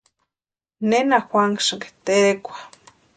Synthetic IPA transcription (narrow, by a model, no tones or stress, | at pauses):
nenaxʷaŋʂɨŋɡe̥t̪eekʷḁ